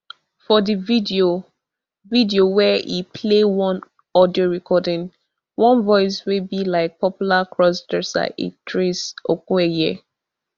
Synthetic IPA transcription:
fɔdividio | vidiowɛʔipʰlewɔ̃n | ɔdioɹɛkʰɔdɪ̃ŋ | wɔ̃nvɔɪs̬webilaɪk̚pʰɔpjulakʰɹɔsdɛsa̰ʔḭtʰɹesokwɛjiə

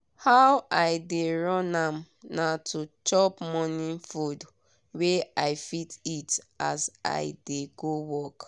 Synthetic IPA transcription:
hawaɪdeɹɔ̃nãm | natʰut͡ʃɔpmɔnifud | weaɪfititasa̰ɪdeɡowɔk

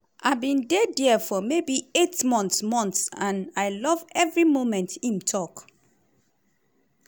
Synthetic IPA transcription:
ʔaɪbĩndedɛfɔmebietmɔ̃ntsmɔ̃ntsãnaɪlɔvɛvɹimõmɛ̃ntʰĩntʰɔk

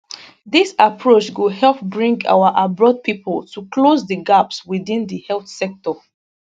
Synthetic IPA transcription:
ðisapʰɹot͡ʃɡuhɛlˠp̚bɹĩŋɡa̰wəʔabɹɔd̚pʰipʰəltʰukʰlozðəɡapswiðĩndəhɛlθsɛk̚tɔ

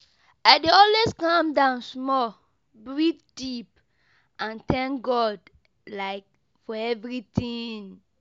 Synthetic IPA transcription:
aɪdeɔlweskãmdãʊ̃nsmɔl | bɹit̚d̥ip | ãntɛ̃ŋkɡɔd | laɪk̚ | fɔɛvɹitĩŋ

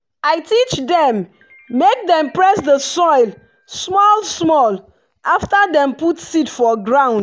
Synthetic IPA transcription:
aɪtʰit͡ʃdɛ̃mː | ek̚dɛ̃mpɹɛsdəsɔɪl | smɔlsmɔl | aftadɛ̃mputsitfɔɡɹãʊ̃nd

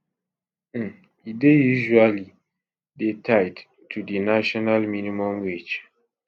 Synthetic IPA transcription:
idejuʒuali | detʰajd | tʰudinaʃɔnalminimɔ̃mwit͡ʃ

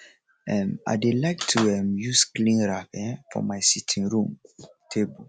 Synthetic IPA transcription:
ɛ̃ma̰ɪdelaɪk̚tʰuɛmjusklĩnɹapɛ̃fɔ̰̃maɪsitʰĩŋɹũm | tʰebə

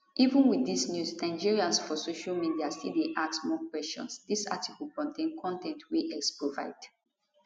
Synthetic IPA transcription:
ʔivə̃nwiðisnjusnãɪ̃nd͡ʒiɹiãnsfɔsoʃalmidiastideʔaksmɔkwɛsʃɔ̰̃nsdisa̰tʰiklkɔ̃ntʰẽnkʰɔ̃ntɛ̃ntʰwiʔɛkspɹova̰ɪd̥

